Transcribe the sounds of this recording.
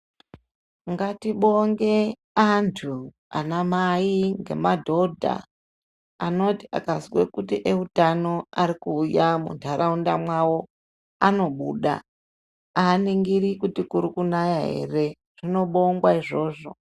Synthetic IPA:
ŋɡatiɓoŋɡe̞ | antʰu | a̰namaiŋɡe̞̰madʱo̞dʱa̰ | ano̞tia̰kaswḛkutiʔeutano̞aɾikuːjamṵntʰaɾaundamwawo̞ | ano̞ɓṵːɗa̰ | aːniŋɡiɾikutikuɾikunajaɦe̞̰re̞ | ʐ̥ino̞ɓo̞ŋɡwaiʐo̞ːʐo̞̰

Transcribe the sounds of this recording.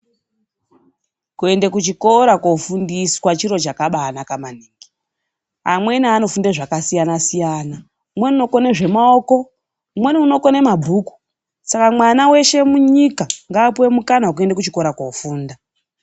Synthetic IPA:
kue̞ndekut͡ʃiko̞ɾakofundiswat͡ʃiɾo̞t͡ʃakaɓaːnakamaniːŋɡi | a̰mwe̞naano̞fundeʐakasijanasijana | umwe̞niuno̞koneʐe̞maoko̞ | umwe̞niuno̞ko̞ne̞mabʱuːku̥ | sakamwanawe̞ʃe̞muɲikaŋɡaːpuwemukanaok̬ue̞ndekut͡ʃiko̞ɾakofuːnda

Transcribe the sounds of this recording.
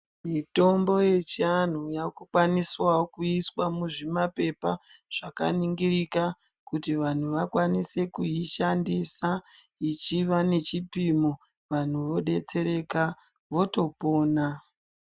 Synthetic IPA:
mito̞mbo̞je̞t͡ʃian̤ujakukwaniswawokuiswamuʐimape̞pa | ʐ̥aka̰niŋɡiɾika | kutiʋan̤uʋakwanise̞kuiʃandisa | it͡ʃiʋane̞t͡ʃipimo | ʋan̤uʋo̞ɗe̞t͡se̞ɾe̞ka | ʋo̞to̞po̞ːna

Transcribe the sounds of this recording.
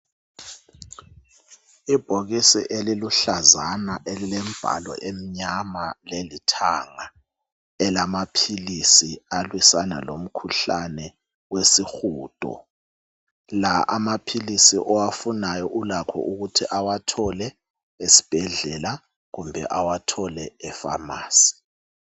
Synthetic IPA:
ib̥ʱoɣisḭʔeliluɬazanaʔelilem̩b̥ʱa̰lɔ̰ʔem̩ɲamalelitʰaːŋa | ɛlamapʰilisialwisana̰lom̩kʰuɬanɛ | wesixuːd̥ʼʱɔ̰ | laʔamapʰilisiʔɔwafunajɔʔulakʰɔ̰ʔuɣutʰiʔawatʰɔlɛ | esi̥b̥ʱɛɮɛla | ɣumbʱɛ̰ʔawatʰɔlɛɛfa̰ma̰ːsi̥

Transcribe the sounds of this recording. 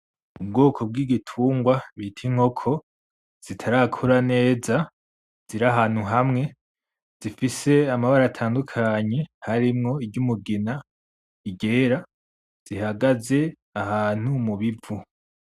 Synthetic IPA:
ubɡoːkʰo̞b̚ɡiːɡitʰuːŋɡwaβitʰiŋ̥ho̞kʰo̞ | z̥itʰaɾakʰuɾane̞ːza | z̥iɾaɦaːn̥huɦamŋe̞ | z̥ifise̞amaβaɾatʰaːndukʰaːɲe̞haɾimŋo̞iɟɟumuɡina | iɟe̞ːɾa | z̥iɦaɡaze̞ | ahaːn̥humuβivu

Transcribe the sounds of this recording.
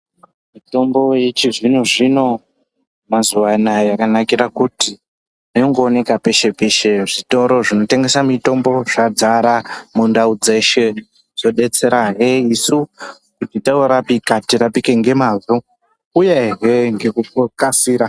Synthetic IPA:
mito̞mbo̞jet͡ʃiʐino̞ʐino̞ | mazuʋanajakanakiɾakuti | ijoŋɡoːne̞kape̞ʃe̞peʃe̞ʐito̞ɾo̞ʐino̞te̞ŋɡe̞samito̞mbo̞ʐad͡zaɾamundaud͡ze̞ʃe̞ | z̥o̞ɗe̞t͡se̞ɾaɦeisu | kutitaoɾapikatirapike̞ŋɡe̞maːʐo | ujeɦeŋɡe̞kukokasiːɾa

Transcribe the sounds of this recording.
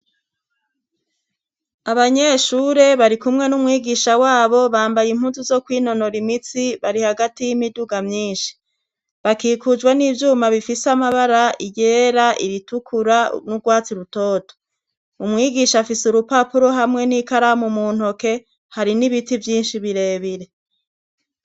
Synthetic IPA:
aβaɲe̞ʃuːɾe̞βaɾikumŋe̞numŋiːɡiʃawaːβo̞βaːmbajim̥huːnzuzo̞kwiːno̞no̞ɾimit͡siβaɾihaɡatijimiduɡamɲiːnʃi̥ | βakiːkud͡ʒɡweniːvjuːmaβifisamaβaɾaijeːɾaʔḭɾitukʰuɾa̰nuɡwaːt͡siɾuto̞ːto̥ | umŋiːɡiʃafisuɾupapuɾo̞ɦamŋe̞nikaɾamumuːn̥oke̞ | haɾiniβitivjiːnʃiβiɾe̞ːβiɾe̞

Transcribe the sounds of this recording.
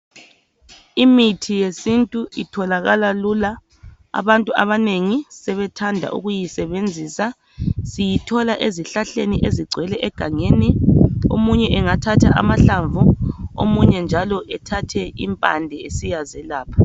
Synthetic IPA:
imitʰijesintʼuʔitʰɔlaɣalalula̰ː | βantʼuaβaneŋisɛβɛtʰandʱa̰ʔṵɣujisɛβend͡zʱiːsa | sijitʰɔlaʔeziɬaɬeniʔeziɡ͡ǀʱwɛlɛʔɛɡ̥ʱaŋeniomuɲɛʔɛŋatʰatʰa̰ʔa̰maɬaɱvuo̰muɲɛnd͡ʒʱalɔʔɛtʰatʰɛḭmpʼa̰ndʱɛesijazɛlaːpʰḁ

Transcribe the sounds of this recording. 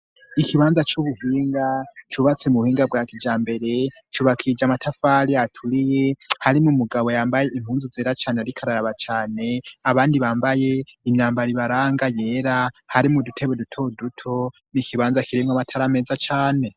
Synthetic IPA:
ikiβaːnzat͡ʃuβuhiːŋɡat͡ʃuβat͡semuhiːŋɡabɡwaːkid͡ʒaːmbe̞ɾe̞ | t͡ʃuβakʰid͡ʒamatʰafaːɾijatʰuɾije̞haɾimumuɡaβo̞jaːmbaje̞im̥huːnzuzeːɾat͡ʃaːneaɾikʰaɾaɾaβat͡ʃaːne̞aβaːndiβaːmbaje̞imɲaːmbaɾiβaɾaːŋɡaje̞ːɾahaɾimudutʰe̞βwedutʰo̞dutʰo̞ | nikʰiβaːnzakʰiɾimŋamatʰaɾame̞ːzat͡ʃaːne̞

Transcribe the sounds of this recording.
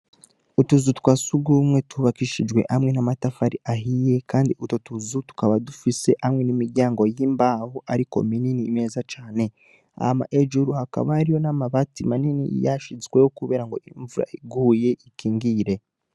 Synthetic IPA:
utuzutkwasuɡumŋe̞tuβakiʃid͡ʒɡwe̞ʔhamŋe̞namatafaɾiʔaɦije̞kaːndiʔutotuzutu̥kaβadufise̞ʔamŋe̞nimiɾɟaːŋɡo̞jiːmbahuʔaɾiko̞̰mininiːmeːzat͡ʃaːne̞ | a̰ma̰ʔeʒuɾuhaka̰βaːɾijo̞namaβatimaninḭjaʃizɡwe̞jo̞kuβe̞ːɾaŋɡo̞̰ʔiɱvuɾa̰iɡuːje̞ʔikiːŋɡiːɾe̞

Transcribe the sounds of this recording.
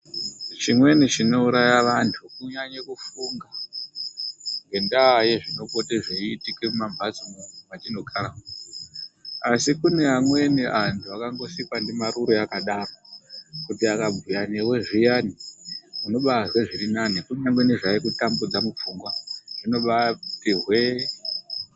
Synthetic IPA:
t͡ʃimwe̞nit͡ʃino̞uɾajaʋantʰukuɲaɲekufuŋɡa | ŋɡe̞ndaje̞ʐino̞koteʐeiːtikemumambʱat͡simunʰumatino̞ɡʰʱara | asikune̞ɦamwe̞niʔantʰuakaŋɡo̞sipandimaɾuɾoakaɗaːrokutiakabujaniwe̞ʐijaniuno̞ɓazweʐirinanikuɲaŋɡweniʐaikutambud͡zamup͡fuŋɡwaʐ̥ino̞ɓatirwe

